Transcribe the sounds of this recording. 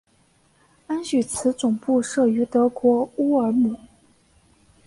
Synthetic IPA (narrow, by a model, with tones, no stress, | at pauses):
a˥nɕy˨˩t͡sʰɹ̩˧˥t͡sʊ˨˩ŋpu˥˧ʂɤ˥˩y˧˥t̪ɤ˧˥kwɔ˧˥u˥ə˞˧˥mu˨˩˦